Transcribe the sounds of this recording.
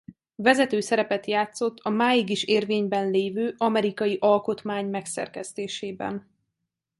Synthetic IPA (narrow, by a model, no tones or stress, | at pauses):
vɛzɛt̪øːsɛɾɛpɛt̪jaːt̪so̞t̪ːɒmaːjiɡiʃeːrveːɲbɛnleːvøːʔɒmɛɾikɒjiʔɒlko̞t̪maːɲmɛksɛ̰rkɛst̪eːʃeːbɛ̰n